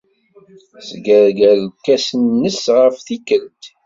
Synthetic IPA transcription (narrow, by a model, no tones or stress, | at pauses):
sɡəɾɡæləkːæsənːəsʁəfθikəlt̪